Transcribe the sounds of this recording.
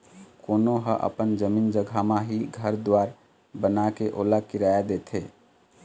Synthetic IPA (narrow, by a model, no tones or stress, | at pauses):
konoɦəʔə̰pənd͡ʒəmind͡ʒəɡʱamaɦiɡʱəɾd̪waɾ | bənakeʔolakiɾajad̪et̪ʰɦe